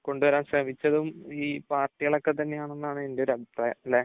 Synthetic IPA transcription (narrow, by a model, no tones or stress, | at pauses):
ko̞ɳɖuʋɐɾaːmɕrɐmit͡ɕːɐðumiːpaːrʈːiɣɐɭokːe̞t̪ɐnːe̞jaːɳonːaːɳɨe̞nde̞o̞ɾɐbʱipraːjɐɐlːeː